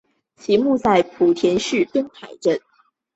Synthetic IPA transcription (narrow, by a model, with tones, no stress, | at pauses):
t͡ɕʰi˧˥mu˥˧t͡sa˥˩ɪpʰu˨˩t̪ʰjɛ˧˥nʂɻ̩˥˩t̪ə˥ŋtʰa˨˩ɪʈ͡ʂə˥˩n